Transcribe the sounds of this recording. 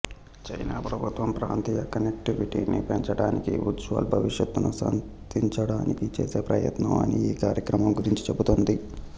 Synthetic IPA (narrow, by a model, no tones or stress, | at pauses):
t͡ʃɐjnaːpɾɐbʱut̪ʋɐmpɾaːnt̪iːjɐkɐnek̚ʈiʋiʈiːnḭpeɲt͡ʃɐɽaːnikiʋud͡ʒʋɐ̰lbʱɐʋiʂjɐt̪ːunusɐ̰n | t̪iɲt͡ʃɐɽaːnikit͡ʃḛːseːpɾɐjɐ̰t̪nɐ̰mɐ̰niiːkaːɾjɐkɾɐmɐmɡuɾiɲt͡ʃi̥t͡ʃe̞but̪ond̪i